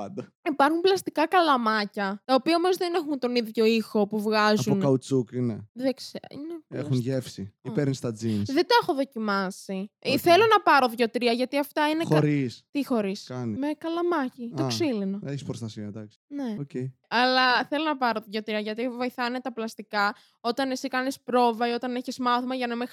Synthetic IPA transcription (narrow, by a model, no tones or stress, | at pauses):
pɐnd̪ɐipɐɾxumplɐst̪ikɐkɐlɐmɐcɐt̪ɐopiɐomozðenexunt̪o̞niðʝo̞ixo̞puvɣɐzuonkɐut͡sukineðeksineḛxxunʝefsiipeɾnist̪ɐd͡zinðed̪ɐexo̞ðo̞cimɐsiθelo̞nɐpɐɾo̞ðʝo̞t̪ɾiɐʝɐt̪iɐft̪ɐinexoɾist̪ixo̞ɾiskɐnimekɐlɐmɐcioksilinoeçi̥spɾost̪ɐsiɐd̪ɐksneoceiɐlɐθelo̞nɐpɐɾo̞ðʝo̞t̪ɾiɐʝɐt̪ivo̞jθɐnet̪ɐplɐst̪ikɐ | o̞t̪ɐnesikɐnispɾo̞vɐio̞t̪ɐneçizmɐθomɐʝɐnɐme